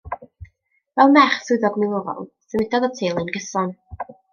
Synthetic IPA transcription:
vɛlˠmɛχsuɨðɔɡmɪlˠʊɾɔ̰lˠ | səmɪdɔðɔtʰeːlˠɨnɡəsɔn

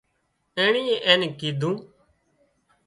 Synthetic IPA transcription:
eːɳiːeʔeːnkiːd̪ʱũː

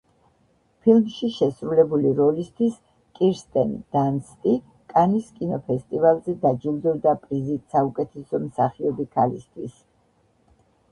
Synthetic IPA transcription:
pʰilˠmʃiʃɛsɾulɛbuliɾɔlist̪ʰwis | kʼiɾst̪ʼɛ̰nḭd̪̥anst̪ʼi | kʼaniskʼinɔpʰɛst̪ʼivalˠzɛd̪ad͡ʒilˠd̪ɔbd̪apʼɾizit̪saukʼɛt̪ʰɛsɔmsaχiɔbikʰalist̪ʰwis

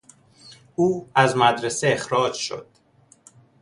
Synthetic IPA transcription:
ʔuːæzmæd̪ɾeseexɾɒːd͡ʒʃo̞̰d̪̥

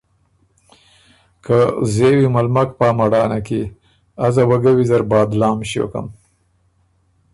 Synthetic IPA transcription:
kʰazewimalmakpɑːmaɽɑːnaki | azawaɡawizaɾbɑːd̪lɑːmɕjo̰ka̰m

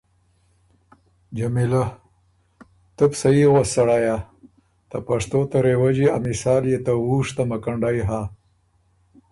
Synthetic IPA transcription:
d͡ʒamila | t̪əpsaiɣasɐɽaja | t̪apaʂt̪ot̪ɐɾewad͡ʒia̰misaːljet̪awuʂt̪amakaɳɖajɦa

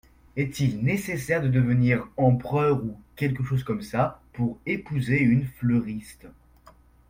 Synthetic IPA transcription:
ɛt̪ilnesesɛʁd̪əd̪əvəniʁɑ̃pχœʁukʲɛlk̬əʃozkɔmsapuʁepuzeynfløʁist̪

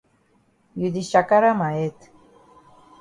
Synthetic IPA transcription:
jud̪iʃakaɾamaet̪

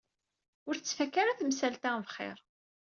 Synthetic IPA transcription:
ʊɾθt͡sːfækːaɾaθmsælt̪avχɪ̰ɾˤ

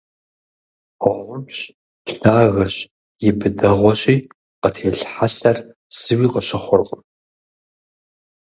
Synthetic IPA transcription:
wʷɐʁʷʊmɕ | ɬaːɣɐɕ | jɪbɨdɐʁʷɔɕʼiː | qətʰeːɬħaɕɬɐr | sɨwiːqəɕɐχʷʊrqʼəm

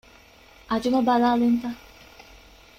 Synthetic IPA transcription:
ad͡ʒʊɔbalalɪn̩ta

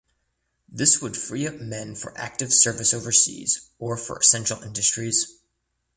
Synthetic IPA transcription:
ðɪswəd̥fɹiʌp̚mɛ̃nfə̰˞ʔæ̰k̚tɨv̥sɜ˞vɨsoʊvə˞sḭz̥ə˞fə̰˞ɨsɛ̃nʃl̩ˠɪ̃ndɨstɹ̥iz̥

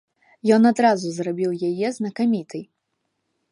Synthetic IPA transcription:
jɔnad̪ɾazuzrabʲiwjajɛznɐkamʲit̪ʰɨj

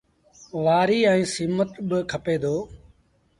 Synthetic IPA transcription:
ʋaːɾiːɛ̃ːsiːmət̪ɓɪkʰəpeːd̪ʱoː

